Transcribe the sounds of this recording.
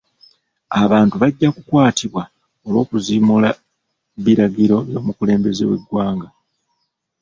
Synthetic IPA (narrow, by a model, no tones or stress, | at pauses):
aβaːntuβaɟːakukwaːtʰiβwa | o̞lwo̞ːkuziːmula | βiɾaɡiɾo̞jo̞ːmukule̞ːmbe̞ze̞we̞ɡwaːŋɡa